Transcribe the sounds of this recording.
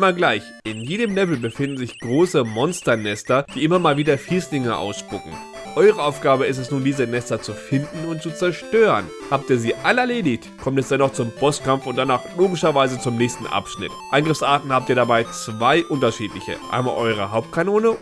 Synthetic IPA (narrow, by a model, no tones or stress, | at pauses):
ɪmɐɡlaɪçʔɪnjeːdəmlɛvl̩bəfɪndn̩zɪçɡ̥ʁoːsəmɔnstɐnɛstɐd̥iːʔɪmɐmaːlviːdɐfiːslɪŋɐʔa̰ʊsʃpʊkŋ̩ | ʔɔʏʁ̞əʔaʊfɡ̥aːbəɪstɛsnuːndiːzənɛstɐt͡sufɪndn̩ʊnt̚t͡sut͡sɛɐʃtøːʁə̰n | haːp̚tiːɐziːʔaləɛɐleːdɪçtkʰɔmtɛsd̥ɛnːɔχt͡sʊmpʰɔstkʰamfʊnt̚d̥anaːχloːɡɪʃɐvaɪzət͡sʊmnɛːçstn̩ʔa̰pʃnɪ̰tʔaɪnɡʁɪfsʔaːtn̩haːp̚tiːɐdabaɪt͡sv̥aɪʔʊntɐʃiːtlɪçə̰ʔa̰ɪnma̰ːlʔɔʏʁ̞əɦaʊp̚tkʰanoːnə